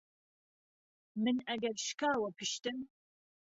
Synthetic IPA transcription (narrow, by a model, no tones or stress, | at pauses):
mɨnɐɡɐrʃkʰaːwɐpʰɨʃt̪ɨm